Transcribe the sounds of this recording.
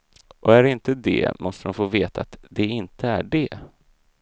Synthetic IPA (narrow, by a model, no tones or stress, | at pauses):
ʔɔæɾɪnt̪əd̪ɛ̰mʔɔst̪əmʊnfoːveːt̪ʰaːt̪d̪ɛɪnt̪əæɖɛ